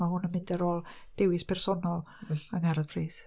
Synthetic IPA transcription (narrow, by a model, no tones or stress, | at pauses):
mahʊnəmɪndɛɾɔːlˠd̥ɪwɪspʰɛrsɔnɔlˠaŋaɾadpʰriːθ